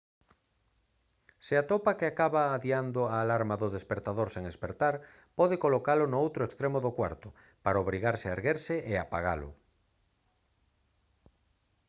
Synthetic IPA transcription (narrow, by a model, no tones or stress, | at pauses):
sɪat̪opakeakaβaːðiand̪ʊaːlaɾmaðʊðespeɾt̪aðoɾseŋespeɾt̪aɾ | pɔðekolokalʊnʊowt̪ɾoekst̪ɾemoðokwaɾt̪ʊ | paɾaoβɾiɣaɾsɪaeɾɣeɾsɪʔeapaɣa̰lʊ̰